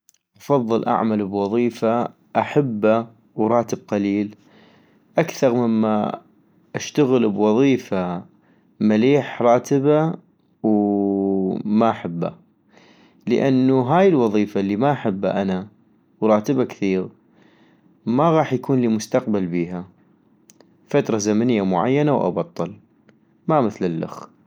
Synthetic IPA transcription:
ʔɑfɑðˤːɨlʔa̰ʕmalbwɑðˤiːfa | ʔaħabːa | wɾˤɑːt̪əb̚qaliːl | ʔakθɑɾˤmɪmːa̰ | ʔaʃt̪aɣɪlbwɑðˤiːfa | maliːħɾˤɑːt̪ɪba | w | maʔaħabːa̰ | lə̰ʔanːuɦaːjɪlwɑðˤiːfalːiːmaʔaħɪbːa̰ʔana | wɾˤɑːt̪ɪbakθiːɣ | maɣɑːħjakuːnliːmʊst̪aq̚balbiːɦa | fat̪ɾˤɑzamanɪjːamʊʕa̰jːanawʔɑ̰bɑt̪ˤːɑl | mamɪθlɪlːa̰x

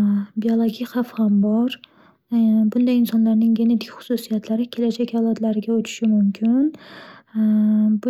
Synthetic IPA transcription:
biolˠoɡʲijχafhambɒɾ | bʊnd̪ainsɒnlaɾnɪŋjened̪ɪkʲχʊ̥susijat̪ʰlaɾɪkʲʰe̞lad͡ʒɛkʲɑlˠɑd̪laɾɪɡʲaot͡ʃʰʊ̥ʃɪmʊmkʲʰɪn | b

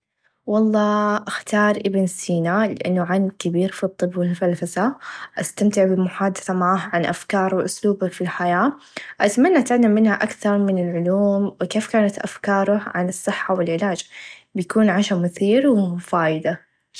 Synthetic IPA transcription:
wɑlˤːɑːʔaxt̪ɑːɾˤʔɪbnsiːnalɪʔa̰nːʊʕankɪbiːɾfit̪ˤːɨbːwɪlmfalfasaʔast̪amt̪ɪʕbɪmʊħaːd̪ɪθamaʕaːɦʕanʔafkɑːɾˤwɪʔʊsluːbakfilħajaː | ʔat̪manːaʔt̪aʕlːamːɪnhaʔakθɑɾˤmɪnɪlʕʊluːmwɪkeːfkaːnat̪ʔa̰fkɑːɾˤʊʕanɨsˤːɨħːawɪlʕɪlaːd͡ʒbɪjakuːnʕaʃamʊθiːɾwɪfaːjɪd̪a

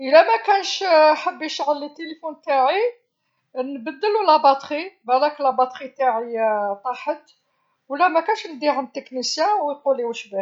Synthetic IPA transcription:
ʔəlæmækænʃħəbːiʃʕəlit̪ːelifunt̪aʕi | nbəd̪ːəlulɑbɑt̪ˤχibælæklɑbɑt̪χit̪aʕit̪ˤɑħət̪ | wlːæmækænʃnəd̪ihəmt̪ːəknisjæ̃wəjquliwəʃbæ

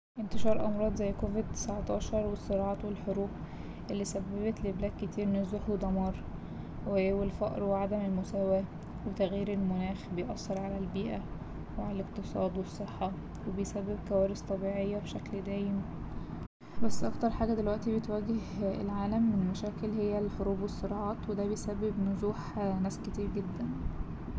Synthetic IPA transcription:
ʔent̪eʃɑːɾˤʔɑmɾˤɑːd̪ˤzæjːkoːved̪̚t̪ːe̥sʕt̪ˤɑːʃɑɾˤwesːeɾˤɑːʕɑːt̪welħoɾuːb | ʔelːiːsæbːæbet̪leblæːkkːet̪ʰiːɾmenezoħld̪ˤɑmɑːɾˤ | wewelfɑ̰ʔɾweʕad̪æmelmosæːwæ | wet̪æɣjiːɾelmonæːxbejʔɑsˤːeɾˤʕalælbiːʔæ | weʕalæleq̚t̪ɨsˤɑːd̪wesˤːeħːɑ | webejsæbːeb̚kæwæːɾest̪ˤɑbiːʕejːæbeʃækld̪æːjem | bæsːʔɑkt̪ˤɑɾˤħaːɡæd̪elwæʔt̪ibet̪wæɡehḛlʕaːlæmːenelmæʃæːkelɦejːælħoɾuːbwesˤːeɾɑʕɑːt̪wed̪æːbejsæbːebnozuːħnæːsket̪iːɾɡed̪ːæn

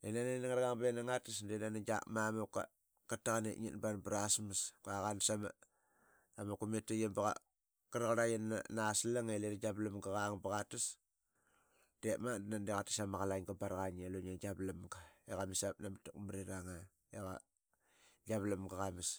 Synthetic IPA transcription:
enananaŋaɾɡaŋbenaŋatisndenanad͡ʒa̰kmamaka̰ | kataɣanḛʔɲḭtbanbɾasmaskaɣansama̰ | amakumetajabaɣa̰ | kaɾɣaɾajanːa̰naslaŋeleɾaɡablamɡaɣaŋbaɣatis | demandnandeɣatisamaɣalaŋɡabaɾɣaɲeloɲaɡablamɡaeɣamisap̚namatakmaɾiɾaŋa | eɣa̰ | ɡaβlamɡaɣamis

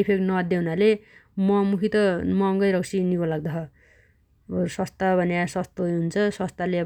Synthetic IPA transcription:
ipʰeknʌd̪eɦunalemʌmukʰit̪ʌmʌːŋɡʌjɾʌksinikolaɡ̚d̪ʌɦʌ | bʌɾusʌst̪abʱʌnasʌst̪oɦjɦunt͡sʰʌsʌst̪ale

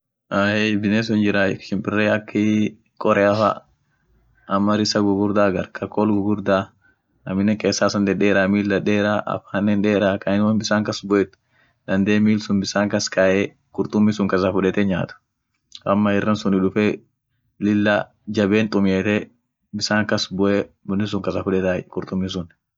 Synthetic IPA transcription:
ʔaːhebɪneːs̬ʊnd͡ʒɪɾaːɪkʃɪmpʼɪrːeːɐkːɪ | kʼɔɾɛɐfa̰ː | ɐmːɐɾɪsɐɡʊɡʊɾd̪aːɡɐɾkʰʼɐkːoːlɡʊɡʊɾd̪aː | ɐmɪnɛkʼeːsːaːsɐnd̪ɛᶑeːɾamiːlːɐᶑeːɾaːʔɐ̰faːnːɛnᶑeːɾaːkʼɐɪnwɐnbɪsaːŋkɐsbɔʔɛt̪ːʊ̥ | d̪ɐnd̪eːmiːlsʊnbɪsaːŋkɐskʰaʔe | kʼʊɾt̪ʼʊmːisʊŋkɐsɐfʊᶑɛt̪ɛɲaːt̪ʊ̥ | ʔɐmːɐɪrːɐnsʊnɪᶑʊfeː | lɪlːaː | d͡ʒɐbeːnt̪ʼʊmeːt̪ɛ | bɪsaːŋkɐsbɔʔebʊnːɪs̬ʊŋkɐsɐfʊᶑɛt̪akʼʊɾt̪ʼʊmːis̬ʊn

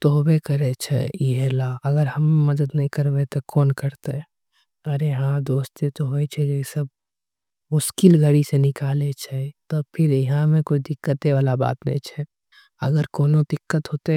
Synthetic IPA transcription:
t̪oɦbekəɾet͡ʃʰɛ̰iɦelaəɡəɾɦɐmːemɐd̪əd̪nɐɦĩkəɾbet̪ɔkɔːnkəɾt̪e | əɾeɦãd̪oːst̪et̪oɦoet͡ʃʰɛd͡ʒesəb̚ | mʊʃkɪlɡʱəɽisenɪkaːlet͡ʃʰɛt̪ɔpʰɪɾɪɦãmẽkoid̪ɪkːət̪eʋaːlaba̰ːt̪nɛ̰ĩt͡ʃʰɛ | ə̰ɡəɾkoːnod̪ɪkːət̪ɦoːt̪e

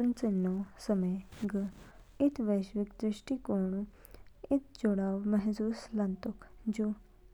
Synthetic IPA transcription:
ʊnt͡sənːoːsəmeːɡəɪt̪ʋeːʃʋɪkd̪ɾɪʃʈiːkoːɳũː | ɪt̪ʰd͡ʒʊɽaːʋmɛɦzuːslənt̪ʊkʰd͡ʒuː

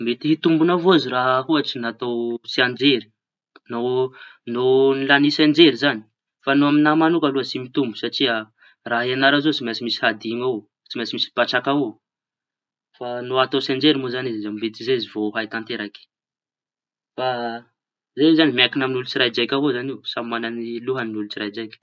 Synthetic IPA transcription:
met̪iɦit̪umbunavoaziɾaɦɦuat͡sinat̪owsiand͡ʒeɾi̥ | nononilanisend͡ʒeɾizani̥ | fanoaminamanukaluasimit̪umbusaʈ͡ʂia | raɦianaɾazot͡simasimisi̥had̪ima | t͡simasimisi̥b̥aʈ͡ʂakao | fanoat̪awsend͡ʒeɾimozanizezambet̪izeizivoɦajt̪ant̪eɾake̥ | fa | zezanimakinaminulut͡siɾajd͡ʒajkʲavozanisammananiluɦəninulut͡sirajd͡ʒajkʲ

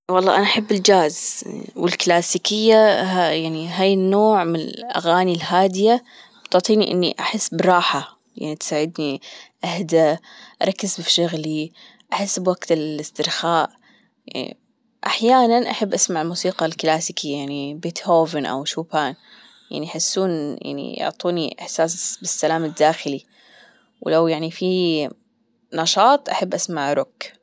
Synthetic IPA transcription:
wɑlˤːɑ̰ːʔanaʔaħabːɪld͡ʒaːzwɪlklaːsiːkɪjːaajaʕniɦaːjɪnːoːʕmɪnɪ̰lʔa̰ɣaːnilhaːd̪ɪja | bt̪ʊʕt̪ˤiːniʔɪ̰nːḭʔaħɪsːbɾˤɑːħa | ja̰ʕnit̪saːʕɪd̪niʔahd̪aʔɑ̰ɾˤɑkːɪzfʃʊɣli | ʔaħɪsːbwaɡt̪ɪllɪst̪ɪɾxaːʔ | jaʕnḭ | ʔaħjaːnanʔaħabːʔasmaʕɪlmuːsiːqɑlklaːsɪkijaʕnibeːt̪hoːvɪnʔa̰wʃuːpaːn | ja̰ʕniʔaħɪsːuːnja̰ʕnḭjʊ̰ʕt̪ˤuːniʔɪ̰ħsaːsbɪsːalaːmɪd̪ːaːxɪli | wlawjaʕnifi | nɑʃɑːt̪ˤʔaħabːʔasmaʕɾʊk

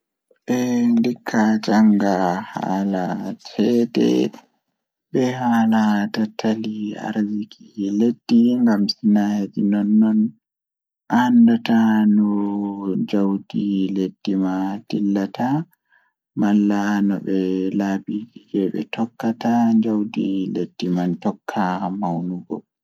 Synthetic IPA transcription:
ɓɛndikʰːad͡ʒaŋɡaha̰ːlat͡ʃʰɛːdɛ̰ | ɓɛhalatatʰalia̰ɾzikʰiled̥ːiŋɡamsinajad͡ʒinɔnːɔn | ʔandatanɔ | d͡ʒawdiled̥ːimad̥ilːata | malːanɔ̰ɓɛlabid͡ʒid͡ʒɛɓɛ̰tʰɔkːataɲd͡ʒawdiled̥ːimantɔkʰːamawnuɡɔ̰

